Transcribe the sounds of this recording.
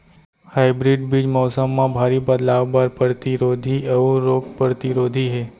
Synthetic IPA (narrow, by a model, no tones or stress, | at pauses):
haːɪbɾɪɖbid͡ʒmɔːsəmːãbʱaːɾibəd̪laːʋbaɾpəɾt̪iɾoːd̪ʱiəʋuɾoːkpəɾt̪iɾoːd̪ʱiɦɛː